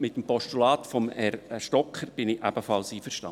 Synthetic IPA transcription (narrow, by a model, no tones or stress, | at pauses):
mɪt̪əmpɔʃtulɑːt̪fɔmɛrʃtɔkʰχəɾb̥ɪnɪʔæb̥əfɑlˠsiːfəɾʃtɑ̰n